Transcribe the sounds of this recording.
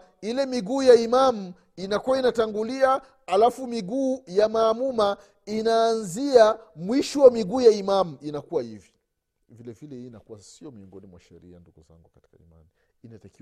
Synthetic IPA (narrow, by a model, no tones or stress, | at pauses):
ilɛmiɡuːjaimamu | inakuwainataŋɡulia | alafumiɡuːjamaːmuma | inaːnziamwiʃɔwamiɡuːjaimamuinakuwahivi̥ | vilɛvilɛhiːnakuwasiɔmiɔŋɡɔnimwa̰ʃɛɾḭa̰nduɡuza̰ŋɡukati̥kaḭma̰niː | nataki